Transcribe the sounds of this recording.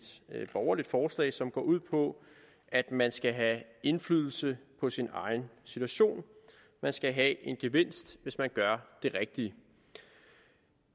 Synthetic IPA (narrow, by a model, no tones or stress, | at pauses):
d̥b̥ɒʊɐlid̥fɒːslɛ̰ɪsɒ̽mɡ̥ɒ̰ːʔuð̞̰ˠpʰɒ̽ | ʔæd̥mænsɡ̥æɦæe̝nflyːð̞ˠl̩səpʰɒ̽sinɑ̈ɪnsit͡sʰuæɕo̝̰ːn | mænsɡ̥æɦæʔe̝nɡ̥e̝ʋe̝n̰sd̥ʋe̝smænɡ̥ɶɐd̥e̝ʁɛɡ̥̚d̥iə